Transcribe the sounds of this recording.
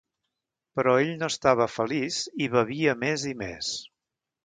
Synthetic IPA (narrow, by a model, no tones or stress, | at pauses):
pəɾɔeʎnoəst̪aβ̞əfəliziβəβiəmezimḛs